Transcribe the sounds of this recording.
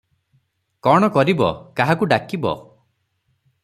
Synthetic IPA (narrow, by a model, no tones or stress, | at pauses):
kɔɽ̃ɔkɔɾibɔ̰kaɦakuɖakibɔ̰